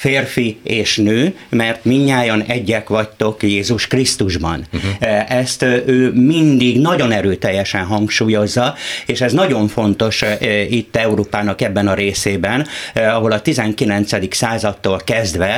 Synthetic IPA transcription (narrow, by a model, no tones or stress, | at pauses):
feːrfieːʃnøː | mɛrt̪miɲːaːjonɛɟːɛkʋɒct̪o̞kjeːzuʃkrist̪uʒbɒ̰nʔɛst̪ʔøːmind̪iɡnɒɟo̞nɛɾøːt̪ɛjːɛʃɛnɦɒŋkʃuːjo̞zːɒeːʃɛznɒɟo̞ɱfo̞nt̪o̞ʃit̪ːɛuɾoːpaːnɒkɛbːɛnɒɾeːseːbɛnɒɦo̞lɒt̪izɛŋkilɛnt̪sɛd̪iksaːzɒt̪ːoːlkɛzd̪ʋɛ